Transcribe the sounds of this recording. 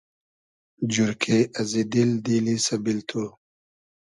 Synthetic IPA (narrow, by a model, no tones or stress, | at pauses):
d͡ʒuɾkʰeʔɐzid̪ild̪iːlisɐbilt̪ʰu